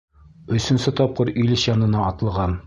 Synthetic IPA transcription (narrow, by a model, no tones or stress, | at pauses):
ɵ̆sɘ̆nsɘt̪ɒp̚qɤɾilɘʃjɒnɤ̆nɑɒt̪ɤ̆lˠʁɑn